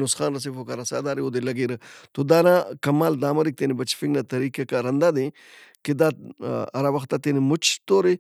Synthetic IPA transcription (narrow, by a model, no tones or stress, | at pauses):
nosxaːnɾɐs̬ifokaɾɐsa̰ːd̪aːɾiod̪elɐɡeɾət̪od̪aːnakɐmaːld̪aːmɐɾik̚t̪enibɐt͡ʃfiŋɡnat̪ɐɾiːkekaɾɐnd̪ad̪e | ked̪aːɐ̰ɾawɐxt̪at̪enemʊt͡ʃʰt̪oːɾe